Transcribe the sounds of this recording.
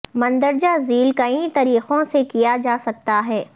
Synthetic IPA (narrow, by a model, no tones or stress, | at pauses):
mɐ̃nd̪əɾd͡ʒaziːlkɐĩt̪ɐɾiːqõsekijad͡ʒaːsɐk̚t̪aɦɛː